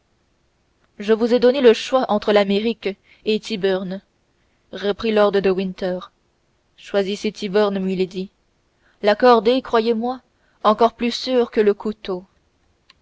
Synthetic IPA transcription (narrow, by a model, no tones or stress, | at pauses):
ʒəvuzɛd̪ɔneləʃwaʔɑ̃t̪χəlameʁik | et̪ʰibœʁn | ʁəpχilɔʁd̪ʁəd̪əwĩnt̪ɛʁ | ʃwaziset̪ʰibœʁnmiled̪i | lakɔʁd̪ekχwajemwa | ɑ̃kɔʁplysyːʁkələkut̪o